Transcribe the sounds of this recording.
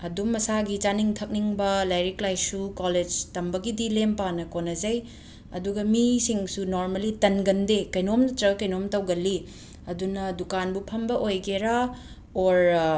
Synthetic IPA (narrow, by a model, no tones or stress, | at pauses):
ɐdumːɐsaɡit͡ʃaniŋtʰɐk̚niŋbɐlajɾiklajsukoled͡ʒtɐmbɐɡidilempanɐkonɐzɐj | ɐ̰duɡɐmisiŋsunoɾmɐlitɐnɡɐndekɐjnomnɐtɾɐkɐjnomtɐwɡɐlːi | ɐdunɐdukanbupʰɐmbɐʔojɡeɾa | oɾ